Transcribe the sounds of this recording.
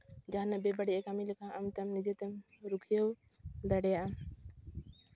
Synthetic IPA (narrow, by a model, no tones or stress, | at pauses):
d͡ʒaɦanabɛbaɖiʔɛkamilɛkʰãʔamt̪ɛmnid͡ʒɛt̪ɛm | ɾukʰijəw | d̪aɖɛjaʔam